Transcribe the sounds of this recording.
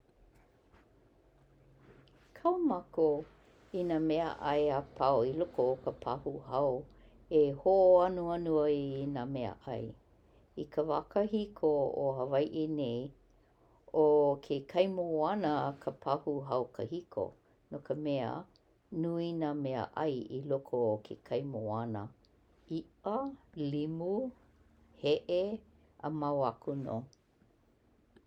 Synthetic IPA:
kʰawmako | inamɛə̰ʔɐjapʰaoilokokəpʰɐ̰huɦɐw | ehoʔoɐnuanuɐinaːmeə̰ʔɐ̰j | ikʰəva̰kɐhikʰoo̰hɐvajʔenej | okʰekʰɐjmoanəkʰəpʰɐhuɦɐwkəhikʰo̰ | nokəmɛə̰ | nuinaːmeə̰ʔɐjilokʰokʰḛkʰɐjmoanə | iʔəlimu | heʔe | ə̰mawakuno̰

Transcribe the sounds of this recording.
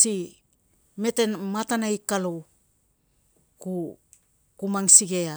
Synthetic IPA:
si | me̞tenmatanajkalo | ku | kumaŋsiɡe̞a

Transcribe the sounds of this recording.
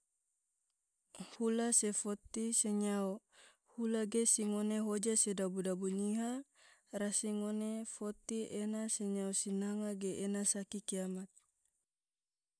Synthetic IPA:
hulasefot̪iseɲao | hulaɡesiŋoneɦod͡ʒasedabudabuɲiɦa | rasiŋonefot̪iʔenaseɲaosinaŋaɡeʔːnasakikiamat̪̚

